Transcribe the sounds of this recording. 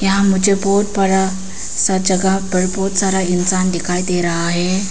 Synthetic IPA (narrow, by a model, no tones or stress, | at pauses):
jãm̤ud͡ʑepoʈ̚pəɽa | sad͡ʑəɡapəɽpoʈsaɾainsand̪ikʰajd̪eɾaːɦe